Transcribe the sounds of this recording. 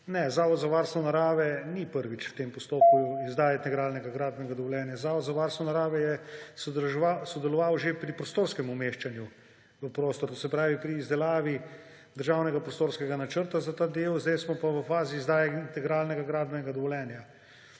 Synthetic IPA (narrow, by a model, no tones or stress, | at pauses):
nɛzaːʋɔd̪zaʋaːɾst̪ʋɔnaɾaːʋɛnipəɾʋit͡ʃwt̪empɔst̪oːp̚kuizd̪aːjɛt̪ɛɡɾaːlnɛɡaɡɾaːd̪bɛnɡad̪ɔʋɔljɛːnjazaːʋɔd̪zaʋaɾst̪ʋɔnaɾaːʋɛjɛsasɔd̪ɛlɔʋawʒepɾipɾɔst̪oːɾskɛmumeːʃt͡ʃanju | ʋəpɾoːst̪ɔɾt̪oːs̬ɛpɾaːʋipɾiːzd̪ɛlaːʋi | d̪əɾʒaːwnɛɡapɾɔst̪oːɾskɛɡanat͡ʃəɾt̪azat̪aːd̪eːwzd̪ɛjsmɔpaʋəfaːziːzd̪aːjɛint̪ɛɡɾaːlnɛɡaɡɾaːd̪bɛnɛɡad̪ɔʋɔljɛːnja